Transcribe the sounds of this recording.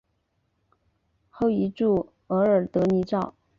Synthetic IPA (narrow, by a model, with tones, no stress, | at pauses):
xo˥˩ʊi˧˥ʈ͡ʂu˥˩ | ɤ˧˥ə˞˨˩t̪ɤ˧˥ni˧˥ʈ͡ʂɑ˥˩ʊ